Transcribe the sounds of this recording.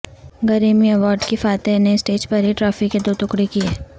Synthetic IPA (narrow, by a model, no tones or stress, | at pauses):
ɡɐɾiːmiɐʋɔːɾɖkifaːt̪eneɪsʈeːd͡ʒpɐɾiʈɾɔːfɪkːed̪oːt̪ʊkɽekieː